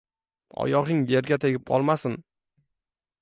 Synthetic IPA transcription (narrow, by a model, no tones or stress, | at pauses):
ɒ̰jɒʁɪŋjeɾɡʲat̪ʰe̞ɡʲɪp̚qʰɒ̰lˠmasɪn